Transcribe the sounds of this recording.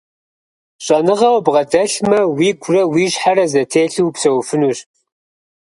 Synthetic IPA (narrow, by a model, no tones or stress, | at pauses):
ɕʼɐnɨʁɐwbʁɐdɐɬmɐwiːɡʷʰʼrɐwiːʒħarɐzɐtʰeːɬɨwpsɐwfɨnuːɕ